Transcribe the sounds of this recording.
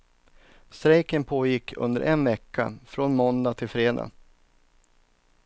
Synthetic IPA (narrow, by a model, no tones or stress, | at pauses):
st̪ɾɛjkənpʰoːjɪkːʰɵ̰nd̪ə̰ɾʔɛnvɛkʰːa̰fɾonmɔnd̪at̪ʰɪlfɾeːd̪a̰